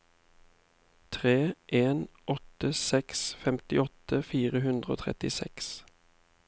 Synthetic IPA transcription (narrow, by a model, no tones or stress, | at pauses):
t̪ʰʁeːʔeːnʔɔt̪əsɛksfɛmt̪ɪɔt̪əfiːʁəɦʉnd̪ʁəo̰ːt̪ʰʁɛ̰t̪ɪsɛ̰ks